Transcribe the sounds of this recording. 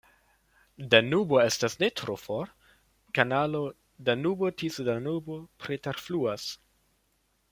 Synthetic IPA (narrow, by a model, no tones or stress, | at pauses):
danuboestasnetʰɾofoɾ | kanalo | danubotʰisdanubopɾeteɾfluas